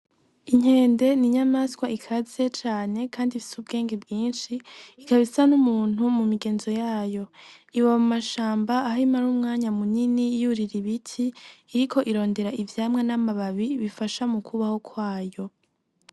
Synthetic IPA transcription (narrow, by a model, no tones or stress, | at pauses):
iɲ̥he̞ːnde̞niɲamaskwaikʰaz̥e̞t͡ʃaːne̞kʰaːndifi̥subɡe̞ːŋɡebɡiːnʃiːkaβisanumuːn̥umumiɡe̞ːnzo̞jaːjo̞iwaβmumaʃaːmbaːhimaɾumŋaːɲamuninijuɾiɾiβitʰiːɾikʰo̞ʔiɾo̞ːnde̞ɾaʔivjaːmŋenamaβaβiβifaʃamukʰuβaho̞kʰwaːjo̞